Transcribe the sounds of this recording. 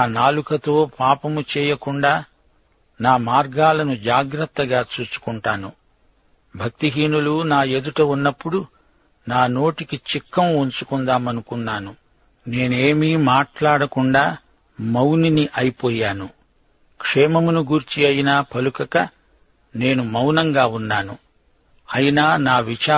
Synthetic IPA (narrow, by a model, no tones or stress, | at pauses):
naːnaːlukɐt̪o̞ːpaːpɐmut͡ʃɛːjɐkuɳɖaː | naːmaːɾɡaːlɐnud͡ʒaːɡɾɐt̪ːɐɡaːt͡ʃuːt͡ʃu̥kuɳʈaːnu | bʱɐk̚t̪iɦiːnulunaːe̞d̪uʈɐunːɐpːuɽu | naːno̞ːʈikit͡ʃikːɐmuɲt͡ʃukund̪aːmɐnukunːaːnu | ne̞ːnueːmiːmaːʈlaːɽɐkuɳɖaː | mɐwniniʔɐjipɔːjaːnu | kʂɛːmɐmunuɡuɾt͡ʃiɐjinaːpʰɐlukɐkɐ | ne̞ːnumɐwnɐŋɡaːunːaːnu | ɐjinaːnaːʋit͡ʃaː